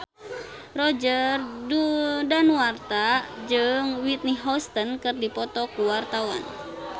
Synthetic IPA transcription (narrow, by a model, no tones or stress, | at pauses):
rɔd͡ʒərdudanuwart̪ad͡ʒɨŋwit̪̚niɦɔst̪ənkɨrdipɔt̪ɔkuwart̪awa̰n